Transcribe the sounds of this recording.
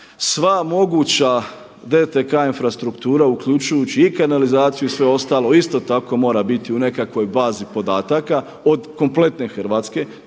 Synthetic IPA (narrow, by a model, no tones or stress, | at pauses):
sʋamo̞ɡut͡ɕa | d̪et̪ekaːinfɾast̪ɾukt̪uːɾaukʎut͡ʃujut͡ɕiːkanalizaːt̪sijuisʋe̞o̞st̪aːlˠo̞ist̪o̞t̪ako̞mo̞ːɾabit̪iune̞kakʋo̞jbaːzipo̞d̪aːt̪aka | od̪ko̞mple̞t̪ne̞xr̩ʋaːt̪ske̞